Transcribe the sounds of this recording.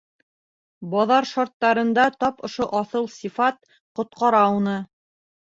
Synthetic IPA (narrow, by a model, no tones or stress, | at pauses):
bɒðɑɾʃɑɾt̪ːɑɾɤ̆nd̪ɑt̪ɒpŏʃoʔɑθɤlˠsʲifɑt̪̚ | qŏt̪̚qɑɾɑunɤ